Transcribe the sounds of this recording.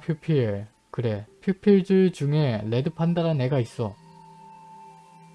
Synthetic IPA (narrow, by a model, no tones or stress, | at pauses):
pʰjupʰiɭ | kɯɾe̞pʰjupʰiɭd͡ʑɯɭd͡ʑuŋe̞le̞dɯpʰandaɾane̞ɡais͈ʌ